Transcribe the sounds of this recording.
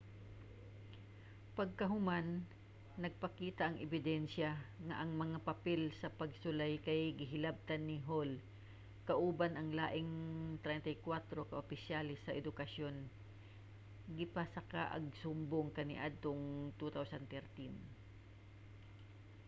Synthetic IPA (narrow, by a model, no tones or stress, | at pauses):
pɐɡ̚kɐɦʊmanː | ɐɡ̚pɐkiːt̪ɐʔɐŋɛbɪd̪ɛnʃjɐŋɐʔɐŋmɐŋapɐpɛlsɐpɐɡ̚sʊlajkɐjɡɪɦɪlab̚t̪ɐnːɪɦol | kɐʔuːbanɐŋlaːʔɪŋt̪ɾɛjnt̪ɐjkwat̪ɾo̞kɐʔopɪsjalɪsɐʔɛd̪ʊkɐsjo̞n | ɡɪpɐsɐka̰ʔɐ̰ɡ̚sʊmboŋkɐnɪ̰ʔad̪̚t̪oŋt̪ut̪awsɐnt̪ɛɾt̪in